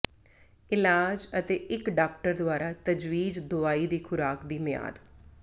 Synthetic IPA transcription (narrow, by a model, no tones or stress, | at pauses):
ɪlaːd͡ʒət̪eːʔɪkɖaːk̚ʈəɾd̪ʊaːɾaːt̪əd͡ʒwiːd͡ʒd̪ʊaːiːd̪iːkʰʊɾaːkd̪iːmɪja̰ːd̪